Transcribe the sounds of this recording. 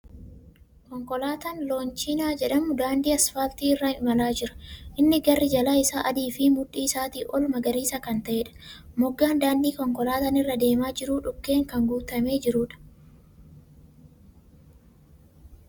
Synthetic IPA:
kɔŋkɔlaːt̪ɐnlo̞ːnt͡ʃinaːd͡ʒɛᶑɐmːʊd̪aːnd̪iːɐsfaːlt̪iːɪrːɐɪmɐlaːd͡ʒɪɾɐ̥ʔɪnːɪɡɐrːɪd͡ʒɐlaːɪsaːʔɐd̪iːfɪmʊᶑiːɪsaːt̪iːʔɔlmɐɡɐɾiːsɐkɐnt̪ɐʔeːᶑɐ̥mɔɡːaːnd̪aːnd̪iːkɔŋkɔlaːt̪ɐnɪrːɐd̪e̞ːmaːd͡ʒɪɾuːᶑʊkːe̞ːŋkɐŋɡuːt̪ɐme̞ːd͡ʒɪɾuːᶑɐ̥

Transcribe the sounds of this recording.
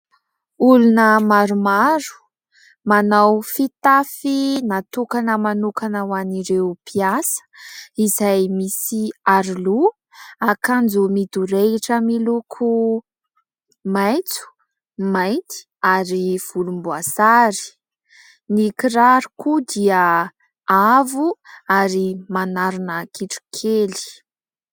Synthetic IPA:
ulunəmaɾumaɾu̥ | manawfit̪afinat̪ukanəmanukanawaniɾewpiasə̥izajmisiaɾilu | akand͡zumid̪uɾeiʈ͡ʂəmilukʰu | majt͡su̥ | majt̪i̥ | aɾiv̥ulumbuasaɾi̥ | nikiɾaɾukud̪iə | avuaɾimanaɾunəkʰiʈ͡ʂu̥kʰeli̥

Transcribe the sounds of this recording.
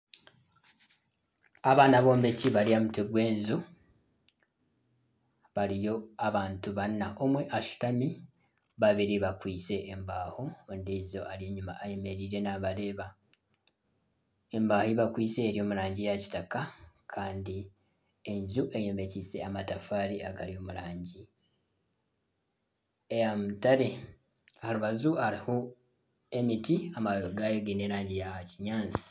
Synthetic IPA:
aβaːnaβo̞ːmbeciβaliamuteɡwe̞ːnzu | βalijo̞aβaːntuβanːaʔomweʔaʃu̥tami | βaβiɾiβakwiːse̞ʔːmbaːhoondizo̞aɾjeɲːumaːjeme̞ɾiɾe̞naβale̞ːβa | e̞mbaːhoiβakwiːse̞ːɾjo̞ːmuɾaːɲɟijaci̥takakʰaːndi | e̞ɲzuʔe̞jome̞cise̞amatafaːɾiaɡalio̞ːmuɾaːɲɟi | ejamutaɾe̞ | haluβazuaɾiho | e̞mitiamaɡajeɡine̞ɾaːɲɟijaciɲaːnsi̥

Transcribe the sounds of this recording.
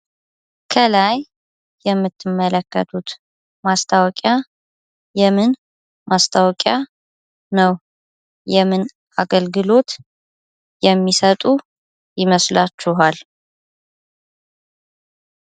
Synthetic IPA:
kʰəlajː | ɛmːɨt̪ʰːɨmːələkːə̰t̪ʰut̪ | mast̪ʰawɔkʼja | jɛmɨn | mast̪ʰawɔkʼja | nəw | jɛmɨn | ʔaɡəlɡɨlo̞t̪ | jɛmːisət̪ʼu | jɪməslat͡ʃːuɦal

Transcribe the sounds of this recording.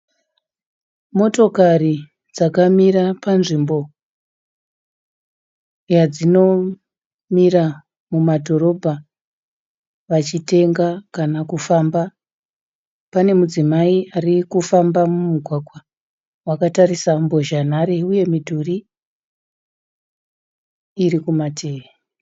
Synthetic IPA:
mo̞to̞kari | d͡zakamiɾapanʐimbo̞ | jad͡zino̞ | mira | mumadʱo̞ɾo̞bʱa | ʋat͡ʃite̞ŋɡakanakufamba | pane̞mud͡zimaiarikufambamumuɡʱwaɡwa | wakatarisambo̞ʒan̤aɾe̞uje̞midʱuri | rikumatʰeːʋe

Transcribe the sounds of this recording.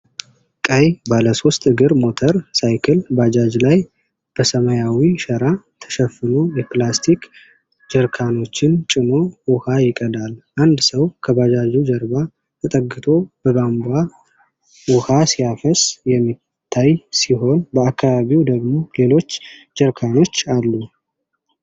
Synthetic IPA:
kʼəjbaləso̞st̪ʼɨɡɨɾmo̞t̪ʰəɾsajkʰəlbad͡ʒad͡ʒlaj | b̥əsəməjawiʃəɾa | t̪ʰə̥ʃɛfːɨlo̞jɛplast̪ʰik | d͡ʒəɾkʰano̞t͡ʃːɪnt͡ʃʼɪno̞wʊhajɪkʼəd̪alʔand̪səwkʰəbad͡ʒad͡ʒud͡ʒəɾba | t̪ʰət̪ʼəɡːɨt̪ʰo̞b̥əɡamba | wʊhasijafəsjɛmːi | t̪ʰːajsiɦo̞nbəakʰːaβaβiwd̪əɡmo̞le̞lo̞t͡ʃː | d͡ʒəɾkʰano̞t͡ʃːalːu

